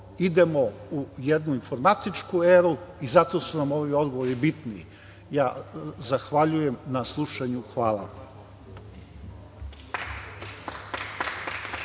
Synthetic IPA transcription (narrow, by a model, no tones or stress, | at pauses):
id̪e̞mo̞ujed̪nuinfo̞ɾmat̪it͡ʃkueːɾuizat̪o̞sunamo̞ʋio̞d̪ɡoʋoɾibit̪niḭ | jaːzaxʋaʎuje̞mnaslˠuʃaɲuxʋaːlˠa̰